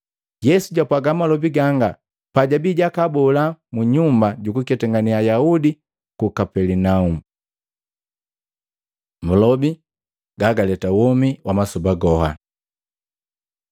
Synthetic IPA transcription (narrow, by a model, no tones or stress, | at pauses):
jɛsuɟapwaɡamalɔbiɡaŋɡa | paɟabiɟakabɔlamuɲumbaɟukukɛtɛŋɡaniajaudi | kukapɛlinaum̩ | mulɔbi | ɡaɡalɛtawɔmiwamasubaɡɔha̰